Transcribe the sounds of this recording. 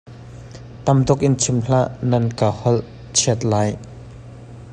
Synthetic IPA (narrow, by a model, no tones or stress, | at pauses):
t̪ɐmd̪ɔk̚ʔɪnt͡sʰimɬaʔnɐnkahɔl | t͡ʃʰiət̪̚laːj